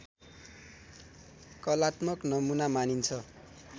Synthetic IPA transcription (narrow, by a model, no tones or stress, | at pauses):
kʌlat̪mʌknʌmunamanint͡sʰʌ